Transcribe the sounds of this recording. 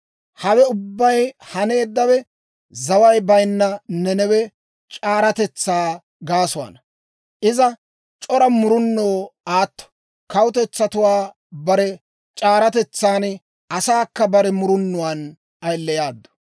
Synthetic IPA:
hɐwɛʊbːɐjhɐne̞ːd̪ːɐwɛ | zɐwɐjbɐjnːɐnɛnɛwɛ | t͡ʃʼaːɾɐt̪ɛt͡sːaː | ɡaːsʊwa̰ːnɐ | ʔɪzɐ | t͡ʃʼɔɾɐmʊɾʊnːoːaːt̪ːɔ̥ | kɐwʊt̪ɛt͡sːɐt̪ʊwaː | bɐɾɛ | t͡ʃʼaːɾɐt̪ɛt͡sːaːn | ʔɐsaːkːɐbɐɾɛmʊɾʊnːʊwan | ɐjlːɛjaːd̪ːɔ̥

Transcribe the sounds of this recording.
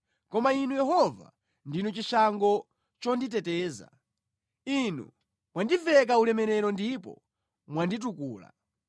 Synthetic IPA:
kɔmainujɛɦɔva̰ | ndinut͡ʃiʃaŋɡɔ | t͡ʃɔnditɛtɛːza̰ | inṵ | mwandivɛk̬aulɛmɛɾɛɾɔndipɔ̰ | mwandit̬ukuːla̰

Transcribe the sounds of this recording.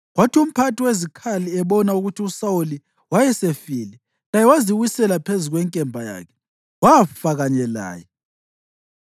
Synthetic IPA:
ɣwatʰium̩pʰatʰʼiwezikʰaliɛβɔnauɣutʰiusauli | wajɛsefilɛ | lajɛwaziɣwisɛlapʰezuɣwɛŋkʼɛmbʱaja̰ːkʰɛ̥ | waafaɣaɲɛla̰ːjɛ

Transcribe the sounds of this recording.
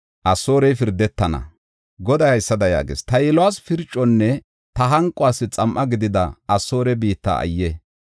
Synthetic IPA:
ʔɐsːoːɾɛjfɪɾd̪ɛt̪ːɐnɐ̰ | ɡɔd̪ɐjhɐjsːɐd̪ɐja̰ːɡḛst̪ɐjɪlwaːsfɪɾt͡ʃʼːɔnːɛ | t̪ɐɦɐŋkʼʊaːsːɪt͡sʼɐmʔɐɡɪd̪ɪd̪ɐɐsːo̞ːɾɛbiːt̪ːa̰ɐ̰jːɛ

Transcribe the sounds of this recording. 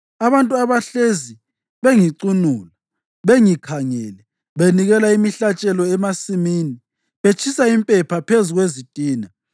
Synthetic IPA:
aβantʼuaβaɬezi | βeŋiǀunuːla | βeŋikʰaŋɛːlɛ | βeniɣɛlaimiɬat͡ʃʼɛlɔɛmasimiːni | βet͡ʃʰisaimpʼɛpʰapʰezuɣwezitʼiːna

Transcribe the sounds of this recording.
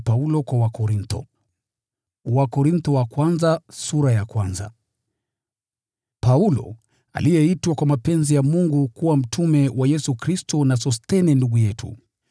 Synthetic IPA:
paulɔkwawakɔɾintɔ̰ | wakɔɾintɔwakwanzasuɾajakwanza̰ | paulɔ̰ | a̰lijɛitwakwamapɛnzijamuŋɡukuwam̩tʰumɛwʔajɛsukɾistɔnas̬ɔstɛnɛnduɡujɛtʰṵ

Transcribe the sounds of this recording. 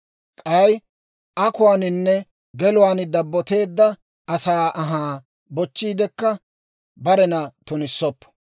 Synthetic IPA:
kʼɐj | ʔɐkʊwaːnɪnːɛ | ɡɛlʊwaːnd̪ɐbːɔt̪e̞ːd̪ːɐ | ʔɐsaːʔɐɦaː | bɔt͡ʃːiːd̪ɛkːɐ | bɐɾɛnɐt̪ʊnɪsːɔpːɐ̥

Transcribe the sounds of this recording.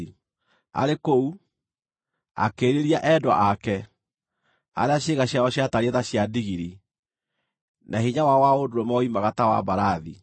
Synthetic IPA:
a̰ɾekou | a̰keːɾeɾiaʔɛdwa̰ʔakɛ | a̰ɾeaɕeɣaɕjaɔɕjataɾeðaɕjadiɣiɾi | naɦiɲawawaodoɾomɔimaɣatawa̰baɾaði

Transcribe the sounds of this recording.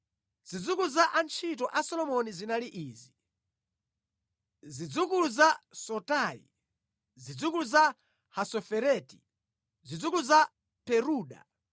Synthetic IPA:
z̥id͡zukuzaʔant͡ʃʰit̬ɔʔasɔlɔmɔnizinaliʔiːzi | zid͡zukuzasɔtaːjḭ | zid͡zukuza | hasɔfɛɾɛti | zid͡zukuza | pɛɾuːɗa̰

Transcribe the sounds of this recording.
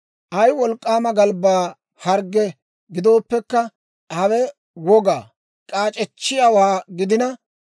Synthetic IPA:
ʔɐjwɔlkʼːaːmɐɡɐlbaː | hɐɾɡɛ | ɡɪd̪o̞ːpːɛkːɐ | hɐwɛ | wɔɡaː | kʼaːt͡ʃʼɛt͡ʃːɪjawaːɡɪd̪ɪnɐ

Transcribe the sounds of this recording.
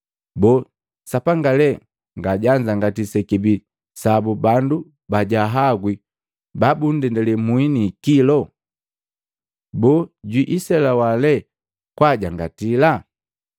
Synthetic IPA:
bɔ | sapaŋɡalɛ | ŋɡaɟaɲd͡ʒaŋɡatisɛkibi | sabubandu | baɟaɦaɡwi | babun̩dɛndɛlɛmwinikilɔ | bɔɟwiʔisɛlawalɛ | kwaɟaŋɡatila

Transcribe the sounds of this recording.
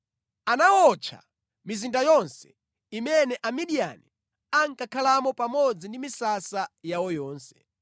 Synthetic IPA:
anawɔt͡ʃʰa̰ | mizindajɔnsɛ̥ | imɛnɛʔamiɗia̰ni | aŋkakʰalamɔpamɔd͡zindimisasajawɔjɔːnsɛ̥̰

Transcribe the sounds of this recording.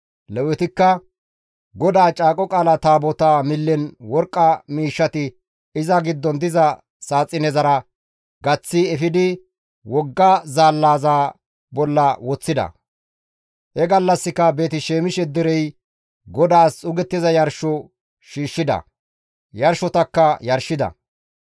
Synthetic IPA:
lɛwɛt̪ɪkːɐ | ɡɔd̪aːt͡ʃʼaːkʼɔkʼaːlɐt̪aːbɔt̪aːmɪlːɛnwɔɾkʼːɐmiːʃːɐt̪ɪ | ɪzɐɡɪd̪ːɔnd̪ɪzɐ | saːt͡sʼːɪnɛzɐɾɐ | ɡɐt͡sːɪɛfɪd̪ɪ | wɔɡːazaːlːaːzaː | bɔlːɐwɔt͡sːɪd̪ɐ̰ | hɛɡɐlːɐsːɪkɐbe̞ːt̪ɪʃeːmɪʃɛd̪ɛɾɛj | ɡɔd̪aːsʼʊɡɛt̪ːɪzɐjɐɾʃɔ | ʃiːʃːɪd̪ɐ̰ | jɐɾʃɔt̪ɐkːɐjɐɾʃɪd̪ɐ̰

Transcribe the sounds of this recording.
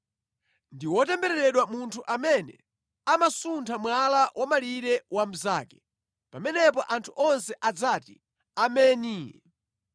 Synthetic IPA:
ndiwɔtɛmbɛɾɛɾɛɗwamuntʰuʔamɛnɛ̰ | amasuntʰamwalawʔamaliɾɛwam̩zaːkɛ | pamɛnɛpɔʔantʰuʔɔnsɛʔad͡zaːtḭ | amɛːni

